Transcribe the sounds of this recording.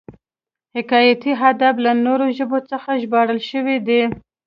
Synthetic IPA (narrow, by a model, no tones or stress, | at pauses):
hɪkɑjat̪iɦad̪aflanoɾoʒəbot͡səxaʒbɑɽəlʃəwid̪i